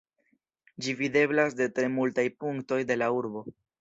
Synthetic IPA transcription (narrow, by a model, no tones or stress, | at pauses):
d͡ʒivide̞blasde̞tɾe̞multajpuŋkto̞jde̞lauɾbo̞